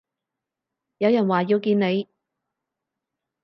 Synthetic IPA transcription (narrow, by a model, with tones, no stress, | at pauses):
jɐ˨˧wjɐ˨˩nwaː˨jiː˧wkiː˧nne˨˧j